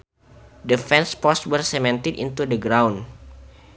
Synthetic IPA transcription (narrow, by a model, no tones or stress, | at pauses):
dəfɛnspɔswərsɛmɛ̃nt̪idḭnt̪udəɡɾawn